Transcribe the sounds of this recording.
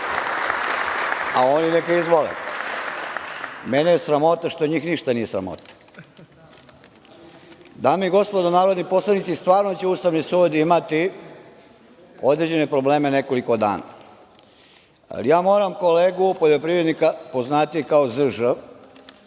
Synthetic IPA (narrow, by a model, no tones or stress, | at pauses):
aoːninekaizʋolḛ | menejesɾamo̞t̪aʃt̪o̞ɲiːxniʃt̪anije̞sɾa̰mo̰t̪ḁ | d̪aːmijeɡo̞spod̪onaːɾod̪nipo̞slˠanit̪sist̪ʋaːɾnot͡ɕeuːst̪aʋnisuːd̪imat̪i | o̞d̪ɾed͡ʑe̞ne̞pɾo̞bleːmeneko̞liko̞d̪a̰ːna̰ | a̰lijaːmo̞ːɾamko̞leːɡupo̞ʎo̞pɾiʋɾed̪nikapo̞znaːt̪ikaozɨʒə